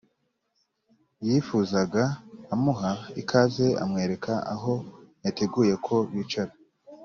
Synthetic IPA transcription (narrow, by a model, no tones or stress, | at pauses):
jifuzaɡaːmuɦaikʰaze̞a̰mŋe̞ːɾe̞kʰaa̰ɦo̞jatʰe̞ɡuːje̞kʰo̞βit͡ʃaɾa